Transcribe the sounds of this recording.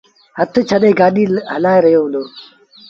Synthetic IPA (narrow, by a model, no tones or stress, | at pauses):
hət̪ʰt͡ʃʰəɗẽːɡaːɗiːɦəlaːeɾɐjoːɦʊ̃nd̪oː